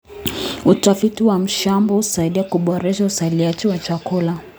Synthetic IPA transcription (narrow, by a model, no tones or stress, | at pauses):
utafitiwam̩ʃambɔhusaiɗiakuɓɔɾɛʃausaliat͡ʃiwat͡ʃakula